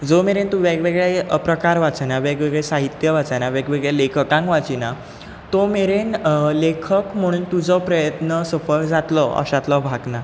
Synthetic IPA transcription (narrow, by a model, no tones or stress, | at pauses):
d͡zomeɾent̪uʋeɡʋeɡɭeəpɾəkaɾʋat͡sanaʋeɡʋeɡɭesaɦit̪jəʋat͡sanaʋeɡʋeɡɭelekʰəkãŋkʋat͡ɕina | t̪omeɾenlekʰəkm̤əɽ̃ũːnt̪ud͡zɔpɾəjət̪nəsəfəɭd͡zat̪lɔʔə̰ɕãt̪lɔbʱaɡna